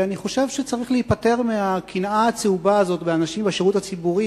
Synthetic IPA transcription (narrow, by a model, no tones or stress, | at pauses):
aniχo̞ʃevʃet͡saʁiχleipate̞ʁmeakʰinaːt͡seubaːzo̞tbeanaʃimbeʃeʁutat͡sibuʁi